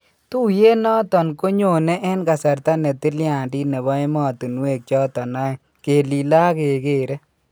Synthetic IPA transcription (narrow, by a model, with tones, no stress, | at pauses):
t̪u˦je˦nɔ˦tɔ˨nko˦ɲo˨ne˦ʔɛ˦nka˨sa˨ɾt̪a˦ne˨t̪i˦lja˨ndi˦ne˨βɔ˦e˦mɔ˨t̪u˨nu˦we˨k̚t͡ʃɔ˦t̪ɔ˨na˦ | ke˨li˨la˦ke˨keː˦˨ɾɛ˦